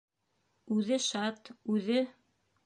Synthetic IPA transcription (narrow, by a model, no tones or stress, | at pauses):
ʉðɘʃɑt̪ʉðɘ